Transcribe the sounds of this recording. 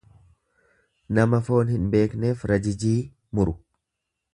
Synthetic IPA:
nɐmɐfo̞ːnhɪnbe̞ːkne̞ːfɾɐd͡ʒɪd͡ʒiː | mʊɾʊ

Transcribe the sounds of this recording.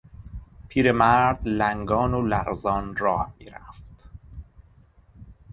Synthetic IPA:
pʰiːɾemæɾd̪læŋɡɒːnolæɾzɒːnrɒːhmḭːɾæft̪

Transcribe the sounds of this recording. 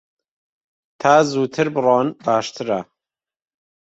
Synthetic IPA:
t̪ʰaːzuːt̪ʰɨɾbɨrɑːnbaːʃt̪ʰɨɾa

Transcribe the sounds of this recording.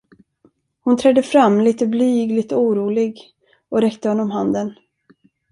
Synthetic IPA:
hʊnt̪ʰɾɛd̪ːəfɾamːliːt̪əblyːɡlɪt̪ɔuːɾuːlɪɡ | ɔɾɛkt̪əhɔnːɔmɦand̪ən

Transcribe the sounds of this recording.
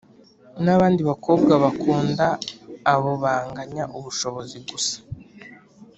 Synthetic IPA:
naβaːndiβako̞ːb̚ɡaβakuːndaː | βoβaːŋɡaɲaʔuβuʃo̞βo̞ziɡusḁ

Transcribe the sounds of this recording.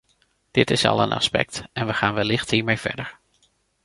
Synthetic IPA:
d̥ɪtɪsɑ̰lˠə̰nʔɑ̰spɛ̰k̚tɛnʋəχaːnʋəlɪχtɦiːɹmejv̥ɛ̰ɹdəɹ

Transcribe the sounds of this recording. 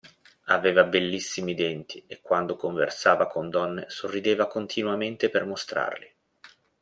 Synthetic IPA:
aveːvabelːisːimid̪ɛnt̪ʰiekːwand̪okoɱvḛrsaːvakʰond̪ɔnːesorːid̪eːvakont̪ʰinwament̪epermost̪ɾa̰rli

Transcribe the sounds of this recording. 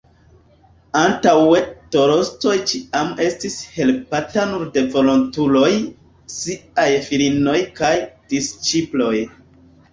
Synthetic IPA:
antawe̞to̞ɾo̞sto̞jt͡ʃiame̞stishe̞lpatanuɾde̞vo̞lo̞ntulo̞j | siajfilino̞jkajd̥ist͡ʃiplo̞j

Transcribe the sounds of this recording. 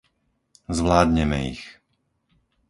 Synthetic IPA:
zʋlaːd̪ɲɛmɛ̰ḭx

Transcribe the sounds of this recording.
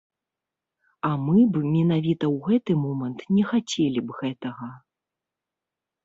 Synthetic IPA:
amɨbɨmʲɛnavʲit̪ɐwɣɛt̪ɨmɔmɐnt̪nʲɛxat͡sʲɛlʲibɣɛt̪ɐɣɐ

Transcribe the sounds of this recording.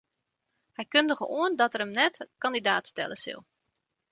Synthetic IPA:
hɛjkɵndəɣəʔoəndɔtəɾəmnɛtkɑndidaːtstɛ̰ləsɪ̰lˠ

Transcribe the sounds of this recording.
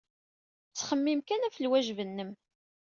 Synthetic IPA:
t͡sːχəmːimkænæfəlwæʒvənːəm

